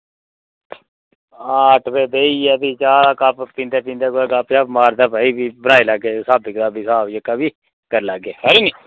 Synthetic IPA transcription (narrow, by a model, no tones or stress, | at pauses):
aːʈʰpeːbeːiːɛːbit͡ʃaːakappĩːnd̪eːpĩːnd̪eːkoːkapt͡ʃaːmaːɾd̪aːbaːiːbiːbənaːeləɡeːsaːbɪkt̪aːbiːsaːbjəkːaːbiː | kəɾləɡeːɦəɾiːniː